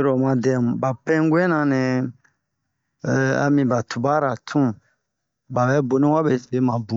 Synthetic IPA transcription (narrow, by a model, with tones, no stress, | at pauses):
ɾɔ˨mã˧dɛ˨m˨ba˨pɛ̃˦ŋ˦ɡwɛ˦nã˧nɛ̃˨ | a̰˨mĩ˧ba˨tʰu˨ba˦ɾa˨tʰũ˦ | ba˨bɛ˨˦bo˨nĩ˦wa˦be˨˦˨be˦mã˨bũ˨˦